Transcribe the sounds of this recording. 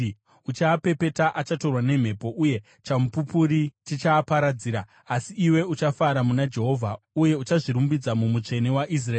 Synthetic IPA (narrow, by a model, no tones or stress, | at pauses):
ut͡ʃaːpe̞pe̞taʔat͡ʃato̞rwane̞m̤e̞po̞ʔuje̞ | t͡ʃamupupuɾitit͡ʃaːpaɾad͡ziːɾa | asiːwe̞ut͡ʃafaɾamunad͡ʒe̞ɦo̞vʱa | uje̞ut͡ʃaʐiɾumbid͡zamumut͡ʂe̞ne̞waʔis̬raeː